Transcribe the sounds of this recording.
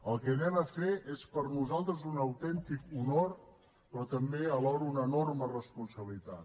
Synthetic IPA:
əlˠkɛnɛməfeʔespəɾnuzalˠt̪ɾəzunəwt̪ɛnt̪ikunoɾ | pɾɔt̪əmbeəβɔwɾəunənormərəspunsəβilit̪a̰t̪

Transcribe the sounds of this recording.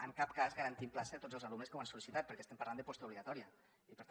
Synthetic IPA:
əŋkap̚kazɣəɾənt̪implasəət̪od͡zəlˠzalumnəskəwansulisit̪at̪pəɾkɛst̪ɛmpəɾland̪əpɔst̪əuβliɣat̪ɔɾiə | ipəɾt̪

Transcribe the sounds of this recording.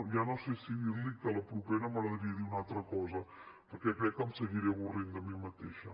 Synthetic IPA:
ʒanosesiβilikələpɾupɛɾəməɣɾəðɾiəðiunalˠt̪ɾəkɔzəpəɾkɛkɾɛkːəmsəɣiɾɛβurind̪əmimət̪eʃə

